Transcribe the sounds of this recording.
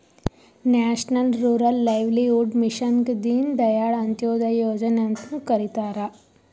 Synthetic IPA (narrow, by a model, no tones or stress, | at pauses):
næɕnəlɾuɾəlːajʋliuɖmiɕənɡd̪iːnd̪əjaɭənt̪jod̪ajod͡ʑənjãnt̪ũːkəɾit̪aɾa